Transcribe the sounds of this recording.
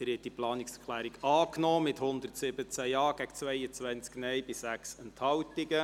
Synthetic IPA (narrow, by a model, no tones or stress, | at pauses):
əɾhɛt̚d̥iplɑːnɪksəkʰlæːɾiɡɑːknɔːmɪthʊnd̪ərtsɪbət͡sæjɑːɡ̥æɡt͡svɛjət͡sʋænt͡sknɛjbɪssæksɛnthɑwtɪɡə